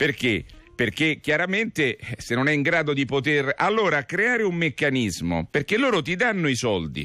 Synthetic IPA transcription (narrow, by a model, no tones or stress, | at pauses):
perk̟eperk̟ekjaɾament̪esenːonɛiŋɡɾaːd̪od̪ipot̪eralːoːɾakɾeaːɾeumːekːanizmo̰perk̟elːoːɾot̪id̪anːoisɔld̪ḭ